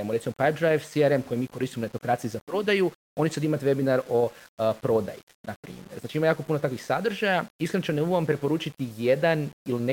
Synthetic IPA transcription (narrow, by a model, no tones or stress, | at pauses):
moɾe̞t̪simo̞pajp̚d̪ɾajʋsiaɾemko̞jemiːko̞ɾist̪imonet̪o̞kɾaːt̪sijuzapɾo̞d̪aju | o̞nit͡ʃesad̪imat̪ʋe̞binaɾo̞pɾo̞d̪a̰ji | napɾḭːmjeɾzaːt͡ʃiimajaːko̞punot̪akʋixsad̪r̩ʒajaisklɾent͡ʃeneuɡuʋampɾe̞po̞ɾuːt͡ʃit̪ijed̪aniline